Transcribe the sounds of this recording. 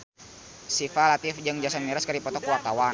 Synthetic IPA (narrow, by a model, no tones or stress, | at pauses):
sifalat̪ifd͡ʒɨŋd͡ʒasanmiɾaskaɾipɔt̪ɔkuwak̪awa